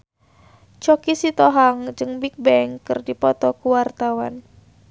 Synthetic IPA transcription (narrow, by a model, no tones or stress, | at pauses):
t͡ʃɔkisit̪ɔɦaŋd͡ʒɨŋbik̚bɛŋkɨrdipɔt̪ɔkuwart̪awan